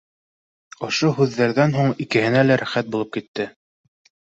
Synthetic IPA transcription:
ŏʃoɦʉðːæɾðænɦuɴikɘ̆hɘ̆nælæɾæχæt̪̚bulˠɤp̚kit̪ːɘ

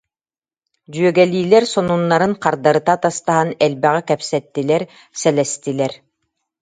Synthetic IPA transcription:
d͡ʑyœɡɛliːlɛɾsɔnunːaɾɯŋqaɾd̪aɾɯt̪at̪ast̪aɦanɛlbɛʁɛkɛpsɛt̪ːilɛɾ | sɛlɛst̪ilɛɾ

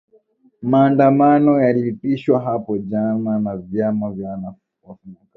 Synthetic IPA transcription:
maːndamanɔjaliipiʃwaɦapɔd͡ʒananavjamavjana | wafuka

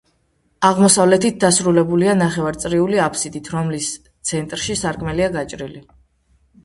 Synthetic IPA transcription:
aʁmɔsavlɛt̪ʰit̪̚d̪asɾulɛbulianaχɛvaɾt̪sʼɾiuliapʰsid̪it̪ʰɾɔmlis | t̪sʰɛnt̪ʼɾʃisaɾkʼmɛliaɡat͡ʃʼɾili

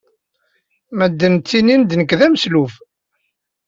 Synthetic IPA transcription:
mæd̪ːənt͡sːinind̪nəkːðæməsluf

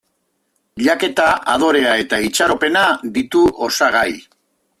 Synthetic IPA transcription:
ʎake̞t̪aað̞o̞ɾe̞ae̞t̪ait͡ʃaɾo̞pe̞nad̪it̪uʔosaɣ̞aj

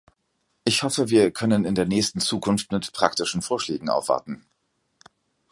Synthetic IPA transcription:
ʔɪçhɔfəviːɐkʰœnənɪndeːɐnɛːçstn̩t͡suːkʰʊnftmɪtpʁ̥aktɪʃn̩foːɐʃlɛːɡŋ̩ʔa̰ʊfv̥a̰ɐtn̩

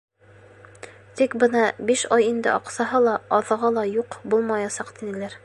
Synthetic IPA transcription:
t̪ikbɤnɑbiʃɑjind̪ɘ̰ʔɑqsɑɦɤlˠɑːðɤ̆ʁɑlˠɑjuqbulˠmɑjɑsɑqt̪inɘ̆læɾ

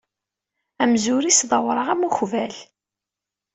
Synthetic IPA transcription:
æmzuɾisðˤɑwɾˤəʁæmuçvæl

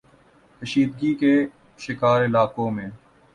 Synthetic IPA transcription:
kəʃiːd̪̚ɡike | ʃɪkaːɾɪlaːkõmẽː

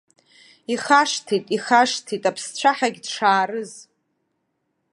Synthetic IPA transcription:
iχaʂtʰitʼiχaʂtʰitʼapʰst͡ɕʷʰaħaɡʲdʂaːrɨz

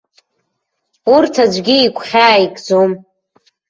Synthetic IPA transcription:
urtʰad͡ʒʷɡʲiːkʷʰχʲaːjkʼd͡zom

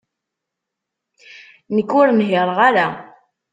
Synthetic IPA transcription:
nəkːʊɾnɦɪɾˤʁaɾa

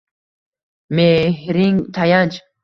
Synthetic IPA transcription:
meɦɾiŋt̪ʰajant͡ʃ

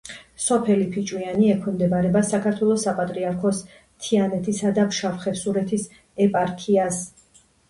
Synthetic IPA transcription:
sɔpʰɛlipʰit͡ʃʼwianiɛkʰɛmd̪ɛbaɾɛbasakʰaɾt̪ʰwɛlˠɔsapʼat̪ʼɾiaɾkʰɔs | t̪ʰianɛt̪ʰisad̪apʃafχɛpsuɾɛt̪ʰis | ɛpʼaɾkʰias

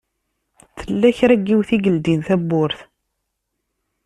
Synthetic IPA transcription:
θəlːæçɾæɡːiwθiɡəld̪inθæbːʊɾθ

